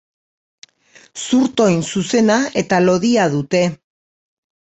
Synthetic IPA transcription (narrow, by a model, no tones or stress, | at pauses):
suɾt̪o̞jnsuse̞naet̪alo̞ðiað̞ut̪e̞